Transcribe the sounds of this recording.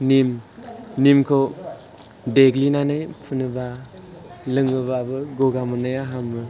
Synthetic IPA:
nimnimkʰow | deɡlinanajpʰunɯba | lɯŋɯbabɯɡoɡamanajaɦamɯ

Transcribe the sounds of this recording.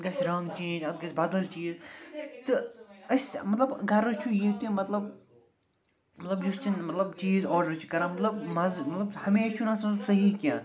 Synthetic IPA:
ɡɐsʲɾɐŋɡt͡ʃiːd͡ʒɐt̪̚ɡɐsʲbɐd̪ɐlt͡ʃiːzt̪ɨɐsʲmɐt̪lɐbɡɐɾɐt͡ʃʰujit̪ĩmɐt̪lɐb̚ | mɐt̪lɐbjust͡ʃʰinmɐt̪lɐbt͡ʃiːzɔːɾɖɐɾt͡ʃʰi̥kɐɾãːmɐt̪lɐb̚mɐzmɐt̪lɐbhɐmeːt͡ʃʰunãsɐ̃zusɐɦikʲãː

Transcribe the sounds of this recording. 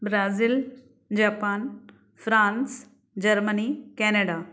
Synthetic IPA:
bɾaːzil | d͡ʑaːpaːn | fɾãːns | d͡ʑɐɾmənikɛːnəɖaː

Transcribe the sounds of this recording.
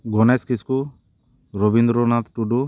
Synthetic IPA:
ɡɔnɛskisku | ɾɔbind̪ɾɔnat̪ʈuɖu

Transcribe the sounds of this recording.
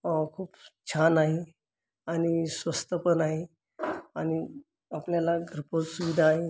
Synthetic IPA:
kʰuːpt͡ɕʰanaɦe | añisʋəst̪əpənaɦe | añi | apljalaɡʱəɾposuʋid̪ʱaːɦe

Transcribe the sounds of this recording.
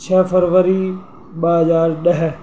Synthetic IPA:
t͡ʃʰəfəɾʋəɾi | ɓəɦəzaːɾɗəɦ

